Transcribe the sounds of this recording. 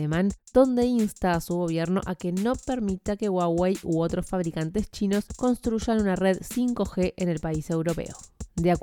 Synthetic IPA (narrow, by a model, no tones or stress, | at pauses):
emand̪̥o̞nd̪e̞inst̪aːsuɣo̞β̞je̞ɾno̞ʔake̞no̞peɾmit̪ake̞ɣwawejuo̞t̪ɾo̞sfaβ̞ɾikant̪e̞st͡ʃino̞sko̞nst̪ɾuʃanunare̞ðsiŋko̞xe̞ʔene̞lpaise̞wɾo̞pe̞̰od̪eak